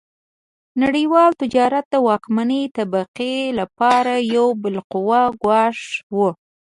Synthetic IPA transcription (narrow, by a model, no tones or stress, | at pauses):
naɽiwɑlt̪ɪd͡ʒɑɾat̪̚d̪əwɑkmanət̪abaqelapɑɾajawbɪlqʊwaɡwɑʂwu